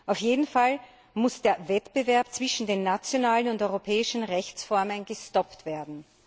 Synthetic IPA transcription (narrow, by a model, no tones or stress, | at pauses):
ʔaʊfjeːdn̩fal | mʊsd̥eːɐvɛtb̥əvɛɐpt͡sv̥ɪʃn̩deːnːat͡sjonaːlənʊntɔʏʁopʰɛːɪʃn̩ʁɛçt͡sfɔɐmənɡəstɔptv̥eːɐdn̩